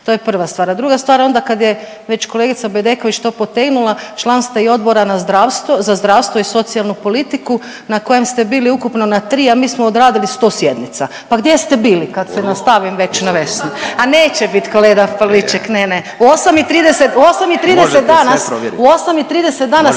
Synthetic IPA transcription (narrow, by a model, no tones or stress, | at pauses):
t̪ojepr̩ʋast̪ʋaːɾad̪ɾuɡast̪ʋaːɾo̞nd̪akad̪je | ʋe̞t͡ɕko̞leɡit̪sabed̪eko̞ʋit͡ʃt̪o̞ːpo̞t̪eɡnulˠat͡ʃlˠanst̪ʋaio̞d̪bo̞ɾanazd̪ɾaːʋst̪ʋo̞zazd̪ɾaːʋst̪ʋo̞iso̞t̪sialˠnupo̞lit̪iku | nako̞jemst̪e̞biːliukupno̞nat̪ɾiːamiːsmoːd̪ɾaːd̪ilist̪o̞ːsjed̪nit̪sa | paɡd̪ʲjest̪e̞biːlikad̪senast̪aʋimʋe̞t͡ɕnaʋe̞snuaneːt͡ɕebit̪koleːd̪apallit͡ʃeknene | uosamit̪ɾiːd̪eset̪osamit̪ɾiːd̪eset̪d̪aːnasuosamit̪ɾiːd̪eset̪̚d̪aːna